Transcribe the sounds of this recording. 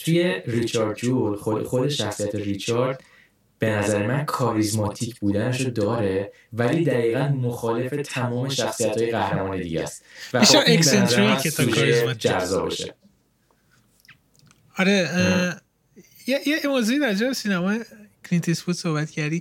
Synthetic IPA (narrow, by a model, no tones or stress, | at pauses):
t̪ʰuje̞rit͡ʃʰɒɾd̪̚d͡ʒuloxo̞d̪e̞ʃæxsiæt̪ʰe̞rit͡ʃʰɒɾd̪̥ | b̥e̞næzæɾemænkʰɒːɾizmɒt̪ʰiːcʰbuːd̪æneʃod̪ɒːɾe̞ | væliːd̪æɣiːɣænmoxɒːle̞fe̞t̪ʰæmɒːme̞ʃæxsijæt̪hɒːjeɣæhɾemɒːne̞d̪ḭɟæ̰st̪væiʃɔɾekseenɾoikʰet̪ʰɒʃkːɾizmɒd͡ʒæɾzɒ̰ːbɒ̰ʃḛ | ɒɾe | jejemoːzuid̪æɾd͡ʒæesinæmɒːjekʰɾint̪ʰesfut̪sohbæt̪cʰæɾd̪i